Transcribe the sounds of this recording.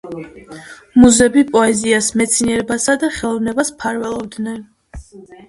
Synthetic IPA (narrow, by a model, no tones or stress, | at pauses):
muzɛbipʼɔɛziasmɛt̪sʰiniɛɾɛbasad̪aχɛlˠɔvnɛbaspʰaɾvɛlˠɔvd̪nɛn